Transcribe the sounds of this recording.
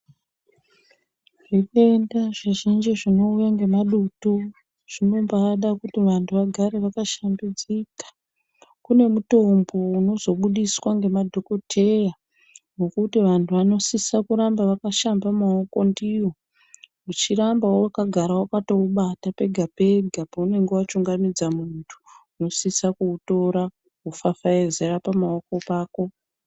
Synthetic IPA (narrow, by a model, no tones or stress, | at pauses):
ʐikendaʐiʒind͡ʒiʐino̞ujaŋɡe̞maɗutu | ʐ̥ino̞mbaɗakutiʋantʰuʋaɡʱaɾe̞ʋakaʃambid͡zikḁ | kune̞muto̞mbo̞uno̞zo̞ɓuɗiswaŋɡe̞madʱo̞ko̞tʰe̞ja | nokutiʋantʰuʋano̞sisakuɾambaʋakaʃambamaoko̞ndiwo̞ | mut͡ʃirambaowakaɡʱaɾawakato̞uɓatape̞ɡʱape̞ɡʱapaune̞ŋɡe̞wat͡ʃuŋɡamid͡zamuntʰu̥ː | no̞sisakuːto̞ɾa | ufafaeze̞ɾapamaoko̞paːko̞